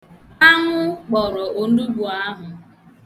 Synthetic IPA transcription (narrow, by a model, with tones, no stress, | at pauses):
a˦ŋʷʊ˦k͡pɔ˨ɾɔ˨o˨n̩˦du˦bu˨a˦ɦʊ˨